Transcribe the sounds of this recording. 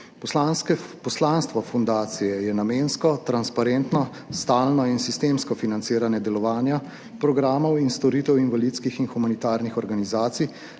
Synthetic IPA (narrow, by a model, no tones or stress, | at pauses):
pɔslanskɛpɔslanst̪ʋɔfund̪aːt̪sijɛjɛnamenskɔt̪ɾanspaɾent̪nɔ | st̪aːlnɔinsist̪eːmskɔfinant̪sɪːɾanjɛd̪ɛlɔʋaːnja | pɾɔɡɾaːmɔwinst̪ɔɾiːt̪ɛwinʋalit̪skixinxumanit̪aːɾnixɔɾɡanizaːt̪sij